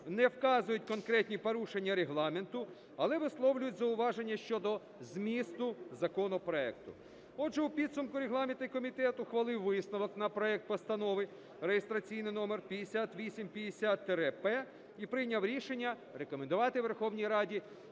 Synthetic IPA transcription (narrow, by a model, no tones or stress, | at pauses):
nɛwkɑzʊjʊtʲkɔnkɾɛt̪ʲnʲipɔɾuʃenʲːɐɾeɦlˠɑment̪ʊ | ɐlˠɛʋɪslˠɔwlʲʊjʊtʲzɐʊʋɑʒenʲːɐʃt͡ʃɔd̪ɔ | zmʲist̪ʊzɐkɔnɔpɾɔɛk̚t̪ʊ̰ | ɔdʒɛupʲid̪sʊmkʊɾeɦlˠɑment̪ɐikɔmʲit̪ɛt̪ʊxʋɐlˠɪwːɪsnɔʋɔknɐpɾɔɛk̚t̪pɔst̪ɐnɔʋɪ | rejest̪ɾɐt͡sʲijnɪjnɔmerpʲjɐd̪esʲat̪ʋʲisʲimpʲjɐd̪esʲat̪ːɛɾɛpɛ | ipɾɪjnʲɐwɾʲiʃenʲːɐ | rekɔmend̪ʊʋɑt̪ɪʋerxɔwnʲijɾɑdʲi